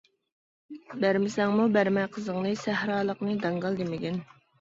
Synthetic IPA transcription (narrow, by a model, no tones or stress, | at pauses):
bæɾmɪsɛŋmubæɾmɛjqʰəzəŋnɨsæhɾɑːlˠəqnɨd̪ɑŋɡɑlˠd̪emɪkʲɛn